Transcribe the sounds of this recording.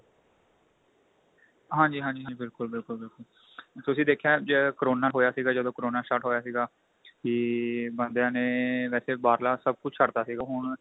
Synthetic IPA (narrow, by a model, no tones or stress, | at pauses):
ɦãːɲd͡ʒiːɦãːɲd͡ʒiːɦãd͡ʒiːbɪlkʊlbɪlkʊlbɪlkʊl | t̪ʊsĩːd̪eːkʰjãːd͡ʒəkəɾoːnːaːlɦoːjaːsiːɡaːd͡ʒəd̪õːkəɾoːnaːʃaːʈɦoːjaːsiːɡaː | kiːbənd̪ejãːneːʋɛːseːbaːɾlaːsəb̚kʊt͡ʃʰt͡ʃʰəɽt̪aːsiːɡaːɦʊɳ